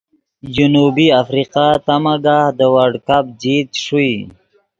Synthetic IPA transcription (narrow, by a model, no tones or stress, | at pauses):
d͡ʒunubiafɾiqat̪amaɡahd̪əwaɖkap̚d͡ʒid̪ʂui